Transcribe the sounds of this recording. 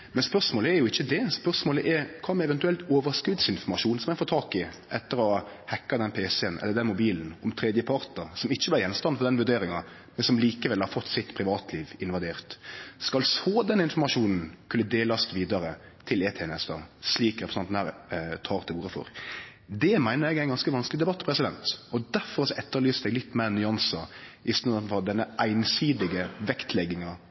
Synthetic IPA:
mɛnspœʁʂmoːləɛɾjʊɪçːəd̪ɛspœʁsmoːləʔɛɾkʰɑːmɛɛʋɛnt̪ʉɛlt̪oːʋəɾskʉd̪sɪnfɔʁmɑʃuːnsɔmɛfoːt̪ʰɑːkɪ | ʔɛt̪ːəɾɔ | hɛkːɑd̪ɛnpʰeːsɛɛnʔɛ̰lːəɾd̪ɛnmʊbiːln̩ɔmt̪ʰɾeːd̪jəpʰɑɾt̪əɾsɔmɪçːəblɪɾjɛnst̪ɑnfɔʁd̪ɛnʋʉd̪eːɾɪŋɑ | mɛnsɔmliːkəʋɛlhɑɾfɔt̪ːsɪt̪pʰɾɪʋɑːt̪ʰliːʋɪnʋɑd̪eːʁt̪skɑlsoːd̪ɛnːɪnfɔɾmɑʂuːnn̩kʰʉnːəd̪eːlɑst̪ʋiːd̪ɑɾət̪ʰɪleːt̪ʰeːɛnɛsd̪ɑ̰ːsliːkɾɛtpɾəsɑæ̰ːɾt̪ʰɑːɾt̪ʰɪluːɾəfɔ̰ɾ | d̪ɛmæɪnəɾɛɡæɪɡɑnskəʋɑnsklɪd̪ɛbɑt̪ːpʰɾɛsɪd̪ɛnt̪ɔd̪æɾfɔɾɑsɔɛt̪ːəɾlyːst̪ɛɡlɪt̪ːmeːnːʏɑnsɑɪst̪nfɔd̪ɛnːəʔæɪnsyːd̪ɪɡəʋɛkt̪ʰlɛɡːɪŋɑ

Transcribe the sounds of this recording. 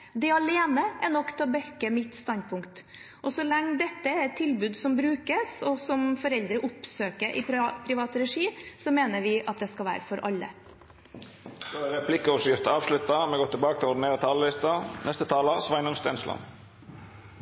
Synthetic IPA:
d̪ɛɑleːnəʔæɳɔkːt̪ʰɑbɛkːəmɪt̪ːst̪ɑnd̪̚pʰʊŋkt̪ | ʔɔsɔlɛŋːd̪ɛt̪ːəæɾɛt̪ʰːɪlbʉːd̪sɔmbɾʉːkəsɔsɔmfɔɾɛld̪ɾəʔʊpsøːkəɾʔɪ̰pʰɾɪʋɑːt̪əɾɛʂiːsɔmeːnəɾʋɪʔɑt̪̚d̪ɛskɑlʋæ̰ːɾəfɔɾʔɑ̰lːə̰ | d̪oɾɛpʰlɪkəɔʂjɪft̪ɑːʋʂlʉt̪ɑmɛɡɔt̪ʰːɪlbɑːkət̪ʰɪlɔɖɪneːɾət̪ʰɑːləlɪst̪ɑnʔɛst̪ət̪ʰɑːləsʋɑɪnʊŋst̪ɛnslɑ̰n

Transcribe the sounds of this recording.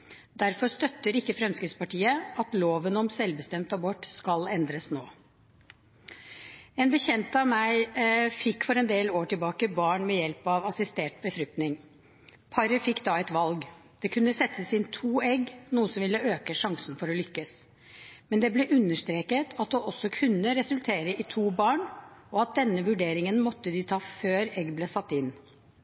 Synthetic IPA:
d̪æɾfɔɾst̪œt̪ːəɾɪkːəfɾɛmskɪt̪spɑʈiːəɑt̪loːʋənɔmsɛlbəst̪ɛmt̪ɑbɔʈːskɑlɛnd̪ɾəsnoː | ɛːnbəçɛnt̪ɑʋmæɪfɪkːfɔɾɛnd̪eːloːʈɪlbɑːkəbɑːɳmɛjɛlpɑʋɑsɪst̪eːʈ̚bəfɾʏk̚t̪nɪŋ | pʰɑɾəfɪkːd̪ɑɛt̪ʋɑlɡd̪̥ɛkʰʉnːəsɛt̪ːəsɪnt̪ʰuːɛɡnuːəsɔmʋɪlːəøːkəʂɑŋsən̩fɔɾɔlʏkːəs | mɛnd̪ɛblɛʔʉnːəʂt̪ɾeːkət̪ʰɑt̪̚d̪ɛɔsːɔkʰʉnːəɾɛsʉlt̪ʰeːɾəɪt̪ʰuːbɑːɳɔɑt̪̚d̪ɛnːəʋʉɖeːɾɪŋənmɔt̪ːəd̪ɪt̪ʰɑːføːɾɛɡːbleːsɑt̪ːɪn

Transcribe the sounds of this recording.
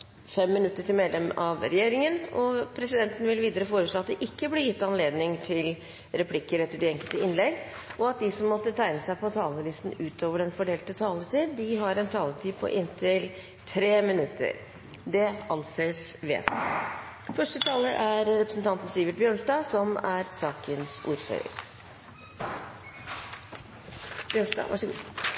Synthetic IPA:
fɛmːɪnʉt̪ːəʈʰɪlmeːd̪lɛmɑʋɾɛjeːɾɪŋənɔpʰɾɛsɪd̪ɛnt̪n̩ʋɪlʋiːd̪əɾəfoːɾəʂɭoːɑt̪̚d̪ɛʔɪkːəblɪːjɪt̪ːɑnleːd̪nɪŋt̪ʰɪl | ɾɛpʰlɪkːəɾɛt̪ːəɖɪɛŋkəlt̪əɪnlɛɡ | ʔɔɑt̪̚d̪ɪsɔmːɔt̪ːət̪ʰæɪnəsæɪpʰɔt̪ʰɑːləliːsn̩ʉːt̪ʰoːʋəɖɛnfɔɖeːlt̪ət̪ʰɑːlət̪iːd̪ːɪɦɑɾɛnt̪ʰɑːlət̪ʰiːpʰɔ̰ʔɪnt̪ʰɪl | t̪ʰɾeːmɪnʉt̪ʰːə̰ɾ | d̪ɛɑnseːs | ʋḛ | fœʂʈət̪ʰɑːləɾʔæɾɾɛpɾəsn̩t̪ʰɑnt̪n̩siːʋɪʈ̪̚bjøːɳʂdɑːsɔmæɾsɑːkənsʔṵːɾfø̰ːɾə̰ɾ | bjøːɳʂdɑ̰ːʋʔæ̰ʂɔɡṵː

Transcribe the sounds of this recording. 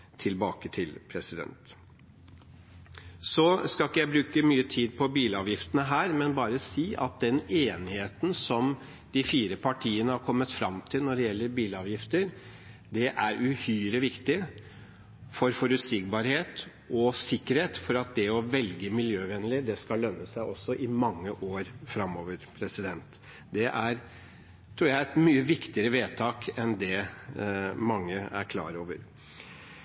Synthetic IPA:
t̪ʰɪlbɑːkət̪ʰɪlpʰɾɛsɪd̪ɛ̰nt̪ | sɔskɑlkːəjæɪbɾʉːkəmyːət̪ʰiːd̪pʰɔbiːlɑːʋjɪft̪ənəɦæːɾmɛnbɑːɾəsiːʔɑ̰t̪̚d̪ɛneːnɪheːt̪n̩sɔm | d̪̥ɪfiːɾəpʰɑʈʰiːənəhɑɾkʰɔmːət̪fɾɑmt̪ʰɪlnɔɖɛjɛlːəɾbiːlɑːʋjɪft̪əɾ | d̪ɛʔæɾʉhyːɾəʋɪkt̪ɪ | fɔɾfɔɾʉt̪sɪɡbɑːɾheːt̪ | ɔsɪkːəɾheːt̪fɔɾɑt̪̚d̪ɛɔʋɛlɡəmɪljøːʋɛnəlɪd̪ɛskɑllœnːəsæɪʔɔsːɔʔɪmɑŋːəʔoːɾfɾɑmːoːʋəɾpʰɾɛsɪd̪ɛnt̪ | d̪ɛʔæɾ | t̪ʰɾuːɾjæɪɛt̪myːəʋɪkt̪ɪəɾəʋeːt̪ʰɑːkɛnd̪ɛ | mɑŋːəæ̰ɾkʰlɑ̰ːɾoːʋəɾ

